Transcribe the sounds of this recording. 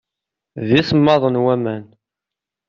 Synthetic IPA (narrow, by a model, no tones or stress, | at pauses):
ðiθəmːɑðˤənwæmæn